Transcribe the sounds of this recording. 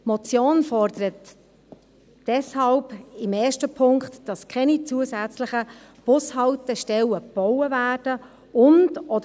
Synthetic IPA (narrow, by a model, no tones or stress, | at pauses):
mɔt͡sjoːnfɔrdəɾət | d̥ɛshɑlbɪmɛːʃtəpʰʊŋktd̥ɑskʰɛnit͡suəsæt͡sləχə | b̥ʊshɑltəʃtɛləb̥ɔʊəvæːrd̥ə | ʊndɔdə